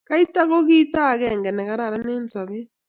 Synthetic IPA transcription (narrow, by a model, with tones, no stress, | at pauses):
ka˦i˦ta˦ɣo˦ɣi˦ta˦˨ɣɛ˨ŋɡɛ˨nɛ˨ka˦ɾa˨ɾa˦nne˦nsa˨βi˦